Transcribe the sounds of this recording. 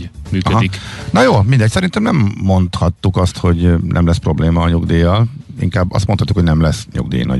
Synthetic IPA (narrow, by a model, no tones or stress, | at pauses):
myːkøɦɒd̪iknɒjoːmind̪ɛcsɛɾint̪ɛmnɛmːo̞nt̪hɒt̪ːukɒst̪ho̞ɟnʔɛ̰mlɛspro̞bleːmɒːɲuɡd̪eːɒl | ḭŋkaːbːɒ̰st̪mot̪hɒt̪ːukoɟnɛmlɛsɲṵɡd̪ḛːnɒ̰